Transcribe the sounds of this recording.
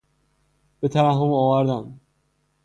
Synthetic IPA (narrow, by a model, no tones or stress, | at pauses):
b̥et̪ʰæɾæɦːomɒːvæɾd̪æm